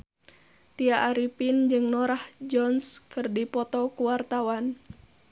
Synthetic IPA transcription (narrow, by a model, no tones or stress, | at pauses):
t̪iaʔaɾipind͡ʒɨŋnɔɾahd͡ʒɔnskɨrdipɔt̪ɔkuwart̪awan